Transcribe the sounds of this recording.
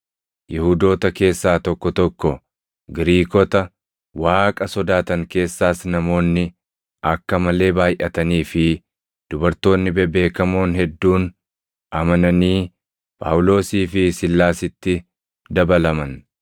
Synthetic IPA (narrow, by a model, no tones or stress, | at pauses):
jɪhud̪o̞ːt̪ɐke̞ːsːaːt̪ɔkːɔt̪ɔkːɔ | ɡɪɾiːkɔt̪ɐ | waːkʼɐsɔd̪aːt̪ɐŋke̞ːsːaːsnɐmo̞ːnːɪ | ʔɐkːɐmɐle̞ːbaːjʔɐt̪ɐniːfɪ | d̪̥ʊbɐɾt̪o̞ːnːɪbɛbe̞ːkɐmoːnɦɛd̪ːuːn | ɐmɐnɐniː | pʼa̰ʔwʊlo̞ːsiːfɪsɪlːaːsɪt̪ːɪ | d̪ɐbɐlɐmɐn